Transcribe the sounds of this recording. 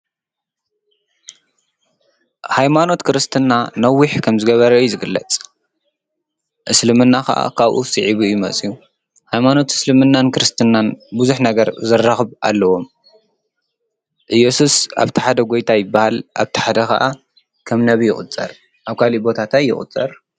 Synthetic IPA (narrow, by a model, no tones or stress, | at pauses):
hajmano̞t̪kʰɨɾɨst̪ʰɨnːanɐwːiħkʰɐmzɨɡɐβɐɾɐjuzɨɡɨlːɐt͡sʼ | ʔɨslɨmɨnːaxɐ̰ʔa̰kʰaβʔṵsɨʕiβujumɐt͡sʼiju | hajmano̞t̪ɨ̥slɨmɨnːankɨɾɨst̪ʰɨnːanbuzuħnɐɡɐɾzɨrːaxɨβa̰lːɐwo̞m | ʔɨjːɛsusa̰βt̪ʰi̥ħad̪ɐɡo̞jt̪ʰajɪbːahalʔa̰βt̪ʰi̥ħad̪ɐxɐ̰ʔa | kʰɐmnɐβijɪχʼɨ̰t͡sʼːɐ̰ɾ | ʔaβkʰalibo̞t̪ʰat̪ʰajːɪ̰χʼɨ̰t͡sʼɐɾ